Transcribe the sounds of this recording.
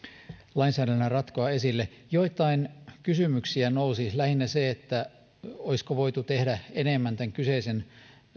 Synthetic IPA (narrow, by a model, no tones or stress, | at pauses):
lɑinsæːɾælnærɑt̪koɑesilːejoit̪ːˑɑinkysymyksiænousilæhinːæseet̪ːæ | oiskoʋoit̪ut̪ehdæenemːænt̪æŋkyseisen